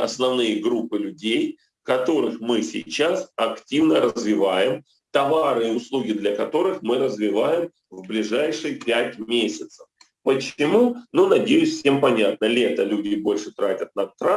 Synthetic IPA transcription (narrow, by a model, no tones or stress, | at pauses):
ɐ̰snɐvnɨjəɡɾupːɨlʲʉdʲej | kɐt̪o̞ɾɨxmɨsʲɪ̰jt͡ɕasɐktʲivnəɾəzvʲɪvajɪm | t̪ɐvaɾɨɪʊslˠuɡʲɪd̪lʲɐkɐt̪o̞ɾɨxmɨɾəzvʲɪvajɪm | vblʲɪʐajʂɨjpʲætʲmʲesʲɪt̪səf | pət͡ɕɪmununɐdʲejʉsʲfsʲe̞mpɐnʲat̪̚nəlʲet̪əlʲudʲɪbo̞lʲʂɨt̪ɾatʲət̪̚nɐt̪ɾa